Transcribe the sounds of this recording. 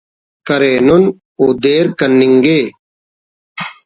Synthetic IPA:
kɐɾeːnon | oːd̪eːɾkɐnːiŋɡeː

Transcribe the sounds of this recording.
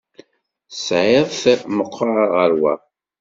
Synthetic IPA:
sʕeðˤθməqʰːɑɾʁəɾwæ̰

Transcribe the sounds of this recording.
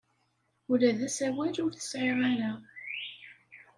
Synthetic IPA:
ulæðæsæwæd͡ʒʊɾθə̥sʕeɾˤæɾæ

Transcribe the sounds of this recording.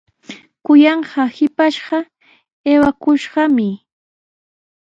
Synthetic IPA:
kʊjɑɴɢɑhɪpaʃɢɑ | eːwakʊʃɢɑmɪ

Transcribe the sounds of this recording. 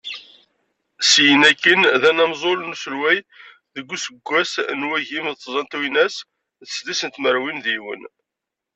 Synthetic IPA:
sjənækːənðænæmzˤolnuslwæj | ðəɡʷːusəɡʷːæsnwæʝimðt̪ːzˤɑnt̪winæs | ðəsd̪isənt̪məɾwinðiwə̰n

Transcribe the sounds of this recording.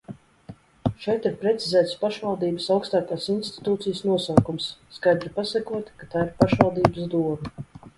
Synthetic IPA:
ʃɛjt̪iɾpɾɛt̪sizɛːt̪spaʃvalˠd̪iːbəsawkst̪aːkaːsinst̪i̥t̪uːt̪sijəsnuɔsaːkumsːkajd̪ɾipasakuɔt̪kat̪aːiɾpaʃvalˠd̪iːbəsd̪uɔmu

